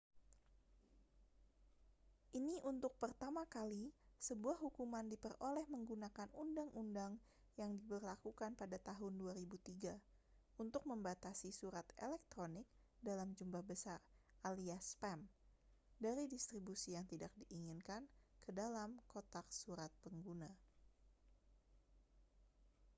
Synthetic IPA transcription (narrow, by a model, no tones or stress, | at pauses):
ʔiniʔunt̪ʊk̚pərt̪amakalisəbuahɦukumandipərolɛhməŋɡunakanundaŋʔundaŋ | jaŋdibərlakukanpadat̪aɦʊnduaɾibut̪iɡa | unt̪ʊk̚məmbat̪asisuɾat̪elɛk̚t̪ɾonɪk̚dalamd͡ʒumbahbəsaraliaspɛm | daɾidist̪ɾibusijaŋt̪idak̚diʔːŋɪnkankədalamkot̪aksuɾat̪̚pəŋɡuna